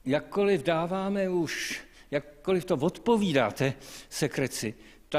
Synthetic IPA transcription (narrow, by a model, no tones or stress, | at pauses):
jakkːolɪvdaːvaːmɛuʃjakːolɪft̪ovot̪poviːda̰ːt̪ɛsɛkɾɛt͡sɪ | t̪a